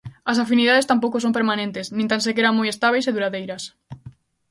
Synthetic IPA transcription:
ɐsafiniðaðest̪ampowkosõmpeɾmãnẽnt̪esnĩnt̪ansekeɾaŋmojest̪aβ̞ejseðuɾaðejɾɐs

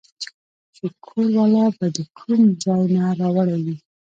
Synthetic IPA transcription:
t͡ʃekʰoɾwalɑbad̪əkʰumd͡zajnaɾɑwaɽawi

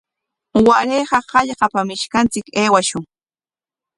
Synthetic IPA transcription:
waʔɾejɢɑɢɑʎɢɑpamɪʃkant͡sɪkeːwaʃʊŋ

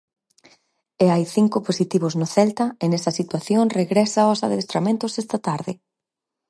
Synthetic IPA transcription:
eajθiŋkʊposit̪iβ̞oznʊθɛlt̪ɐɪnɛsɐsit̪waθjoŋreɣɾɛsaosa̰ðeest̪ɾamẽnt̪ʊsɛst̪ɐt̪aɾðɪ

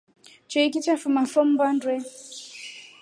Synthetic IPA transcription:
t͡ʃɛikit͡ʃafumafɔm̩bandwɛ

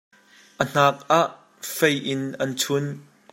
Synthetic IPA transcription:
ʔən̥aːk̚ʔaʔ | fejʔɪnʔɐnt͡sʰʊn

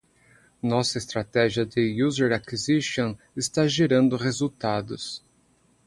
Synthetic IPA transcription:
nɔsɐɪst̪ɾat̪ɛʒiɐd̪ɪjuzeɾakiziʃõ | ɪst̪aʒeɾɐ̃nd̪ʊʁezuwt̪ad̪ʊs

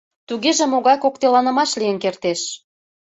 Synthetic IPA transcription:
t̪uɣeʒĕmoɣɑjkok̚t̪elɑnə̆mɑʃlijə̆nkert̪eʃ

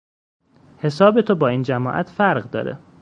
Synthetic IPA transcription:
he̞sɒːbe̞t̪ʰobɒːiːnd͡ʒæmɒːʔæ̰t̪ʰfæɾʁd̪ɒ̰ːɾḛ

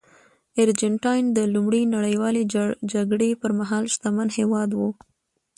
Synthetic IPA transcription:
aɾd͡ʒɪɳʈɑjnd̪əlumɽinaɽəjwɑled͡ʒaɡɽepəɾmaɦɑlʃt̪amanhewɑd̪wu

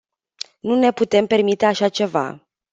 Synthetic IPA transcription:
nune̞put̪e̞mpe̞rmit̪e̞aʃat͡ʃe̞va̰

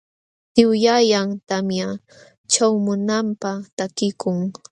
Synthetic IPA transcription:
t̪ɪwjajaŋt̪amja | t͡ʃawmʊnampat̪akɪkʊŋ

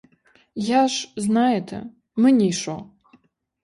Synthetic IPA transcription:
jaʂznajɛtʰɐ̰ | mɨnʲijʂo̰w

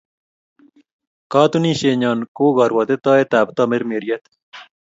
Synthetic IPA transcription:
kaːt̪uniːɕeːɲaːnkoːɡɑːɾwat̪et̪aːet̪æːbt̪aːmeɾmeːɾijɐt̪

